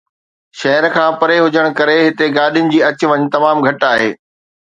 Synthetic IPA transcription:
ʃɐɦəɾkʰãːpɐɾeɦʊd͡ʑəɽ̃kɐɾeɦɪt̪eɡaːɗijʊnɪ̆d͡ʑiːɐt͡ɕʋɐɲt̪ɐmaːmɡʱɐʈaːɦḛː

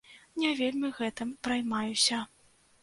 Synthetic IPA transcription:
nʲɛvʲelʲmʲɨɣɛt̪ɨmpɾajmajusʲɐ

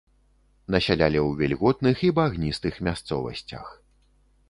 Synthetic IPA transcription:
nɐsʲalʲalʲɛwvʲɛlʲɣɔt̪nɨxibaɣnʲist̪ɨxmʲast̪sɔvɐ̰sʲt͡sʲɐ̰x

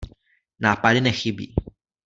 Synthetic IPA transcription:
naːpadɪnɛxɪbḭː

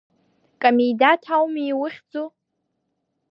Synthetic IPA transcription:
kʼamejdatʰawmiːwʊχʲd͡zu

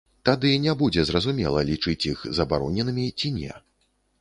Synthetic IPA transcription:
t̪ad̪ɨnʲɛbud͡zʲɛzrɐzumʲɛ̰lˠɐlʲit͡ʂɨt͡sʲjixzɐbaɾɔnʲɛnɨmʲit͡sʲinʲɛ̰

